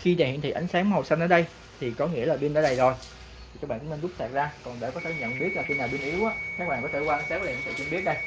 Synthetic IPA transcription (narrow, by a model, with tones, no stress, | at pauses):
xi˧ɗaː˨˩ḭ˧˨nt̪ʰi˨˩ʔa˨˦jŋ̟saː˨˦ŋm˨o˨˩sa˧nʔəː˨˦ɗə˧j | t̪ʰi˨˩kɔ˨˦ŋḭ˧˥əlaː˨˩ɓwi˧nʔəː˨˦ɗə˧˩jzo˨˩j̪ʰ | i˨˩ka˦˥k̚ɓ̰ːkʊ˧˥˦me˧nzʊ˦˥k͡p̚t̪aː˨˩t̚zaː˧kɔ˨˩nɗa̰˧˩kɔ˨˦t̪ʰe˧˩ɲə̰˧˨nɓi˦˥t̚laː˨˩ki˧naː˨˩wɓi˧ənʔi˨˦wʔaː˨˦kaː˦˥k̚ɓaː˨˩kɔ˨˦t̪ʰe˧˩kwaː˧ʔŋsaː˦˥kːŋt̪ɨ̰˧˨˩t͡ɕi˧ɓi˦˥ət̚ɗə˧j